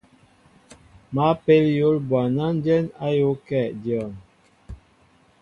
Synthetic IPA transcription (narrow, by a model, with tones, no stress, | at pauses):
ma˨˦pe˦ljo˨˦lbwa˨na˦n˦dɛ˦na˦jo˦kɛ˦˨ʔdjɔ˨n